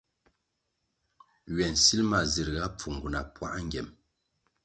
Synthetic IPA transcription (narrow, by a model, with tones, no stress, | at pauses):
ɥɛ˨nsi˦lma˨zi˨ɾɣa˦p͡fu˨ŋ˨ɡu˨na̰˨pwa̰˦ʔŋ˦ɡɛ˨m